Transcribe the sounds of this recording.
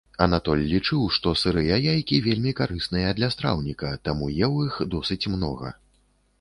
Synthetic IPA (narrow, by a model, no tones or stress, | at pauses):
ɐnat̪ɔlʲːit͡ʂɨwʂt̪ɔsɨɾɨjajajkʲivʲelʲmʲikaɾɨsnɨjɐd̪lʲɐst̪ɾa̰wnʲikɐt̪amujɛwixd̪ɔsɨt͡sʲmnɔɣɐ̰